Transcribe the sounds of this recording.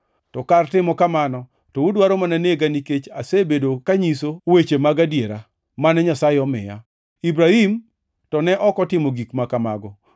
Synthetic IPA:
tɔkartɪmɔkamanɔ | tɔudwaɾomananeɡaniket͡ʃasebedokaɲisowet͡ʃemaɡadjeɾa | manɛɲasaɪɔmɪ̰ja̰ | ibɾahim | tɔnɛʔɔkɔtɪmoɡikmakamaɡɔ

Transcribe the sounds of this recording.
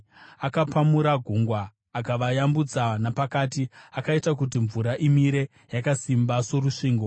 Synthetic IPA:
akapʰamuɾaɡʱuŋɡwaː | kaʋajambud͡zanapakaːtiakaitakutiɱvuɾaʔimiɾe̞ | jakasimbaso̞ɾuʂiːŋɡo

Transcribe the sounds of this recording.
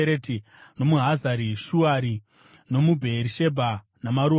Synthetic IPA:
eɾeti | no̞muɦazaɾiʃuaɾi | no̞mubʱeɾiʃe̞bʱa | namaɾu

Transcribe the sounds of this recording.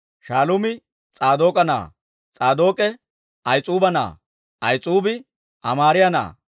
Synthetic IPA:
ʃaːlʊmɪ | t͡sʼaːd̪o̞ːkʼɐna̰ː | t͡sʼaːd̪o̞ːkʼɛ | ɐjt͡sʼuːbɐna̰ː | ʔɐjt͡sʼuːbɪ | ʔɐmaːɾɪjɐna̰ː

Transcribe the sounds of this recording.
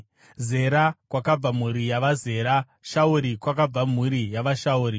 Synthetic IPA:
ze̞ɾakwakab͡vam̤uɾijaʋaze̞ːɾa | ʃauɾikwakab͡vam̤uɾijaʋaʃauːɾi

